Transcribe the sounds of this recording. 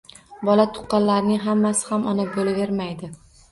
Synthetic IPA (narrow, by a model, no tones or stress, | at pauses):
bɒlat̪ʰʊ̥qːɑnlaɾɪnɪŋɦamːasɪ̥hamʔɒnabolave̞ɾmajd̪ɪ